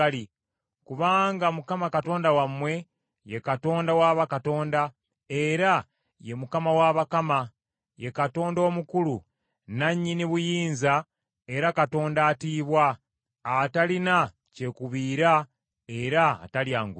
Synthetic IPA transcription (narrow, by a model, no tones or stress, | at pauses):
ali | kuβaːŋɡamukamakato̞ːndawamwe̞ | jekato̞ːndawaːβakato̞ːnda | eɾa | je̞mukamawaβakama | je̞kato̞ːndo̞ːmukulu | naɲːiniβujiːnza | e̞ɾakato̞ːndaːtiːβwaː | talina | ce̞kuβiːɾa | e̞ɾa̰ːtaljaːŋɡu